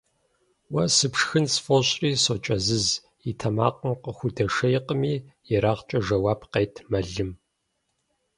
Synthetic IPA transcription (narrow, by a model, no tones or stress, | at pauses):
wɐsɨpʂxɨnsfoɕʼriːsot͡ʃʼɐzɨz | itʰɐma̰ːqʼəmqəxʷʊdɐʂɐjqəmiːjɛɾaːʁt͡ʃʼɐʒɐwaːpqeːtʰmɐɮɨm